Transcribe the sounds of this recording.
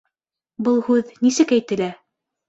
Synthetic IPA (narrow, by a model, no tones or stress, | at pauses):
bɤlˠhʉðnisɘkæjt̪ɘ̆læ